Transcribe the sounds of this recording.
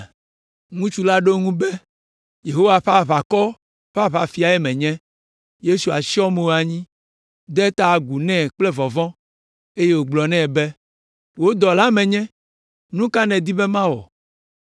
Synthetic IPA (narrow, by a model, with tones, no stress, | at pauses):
ŋũ˦t͡ʃu˦la˦ɖo˦ŋũ˦bɛ˦ | je˨ɦo˦wa˨ɸa˦˨βa˨kɔ˦ | ɸa˦βa˨fi˨a˨ɛ˦mɛ̃˨ɲɛ̃˦ | je˦su˨a̰˨ʃi˦ɔ˦me˨wo˨a˨ɲĩ˦ | d̪ɛ˦t̪a˦˨ɡu˨nɛ̃˦˨k͡plɛ˦vɔ˨vɔ̃˦ | e˦je˦wo˨ɡ͡blɔ˨nɛ̃˦˨bɛ˦ | wo˦d̪ɔ˨la˦mɛ̃˨ɲɛ̃˦ | nũ˦ka˦nɛ̃˨d̪i˦bɛ˦mã˦wɔ̰˨